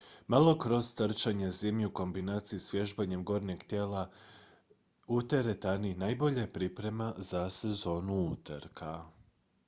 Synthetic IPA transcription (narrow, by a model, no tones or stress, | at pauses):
malˠo̞kɾo̞z̥t̪ɾ̩t͡ʃaɲezimʎiuko̞mbinaːt̪sijisʋje̞ʒbaɲe̞mɡo̞ːɾneɡt̪je̞ːla | ut̪eɾet̪aninajbo̞ʎajepɾipɾe̞mazase̞zo̞ːnuut̪əɾkʰa